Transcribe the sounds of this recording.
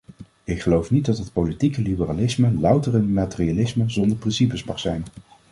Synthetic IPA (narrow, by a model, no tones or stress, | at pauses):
ɪkχəlowfnit̚dɑtɦətpowlitikəlibəralɪsməlʌwtəɹɪnmatɪrialɪsməzɔndəɹprɪnsipəsmɑχsɛjn